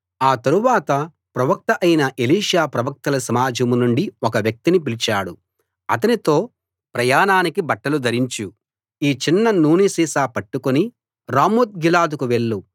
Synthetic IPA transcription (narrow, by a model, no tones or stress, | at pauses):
aːt̪ɐɾuʋaːt̪ɐ | pɾɐʋɐk̚t̪ɐʔɐjnɐʔeliːʂaːpɾɐʋɐk̚t̪ɐlɐsɐmaːd͡ʒɐmunuɳɖiɔkɐʋjɐk̚t̪inip̬ilit͡ʃaːɽu | ɐt̪̬ɐnit̪o̞ː | pɾɐjaːnaːnikibɐʈːɐlud̪ʱɐɾiɲt͡ʃu | iːt͡ʃinːɐnuːnisiːsaːpɐʈːukoni | ɾaːmuːt̪̚ɡilaːd̪ukuʋe̞ɭːu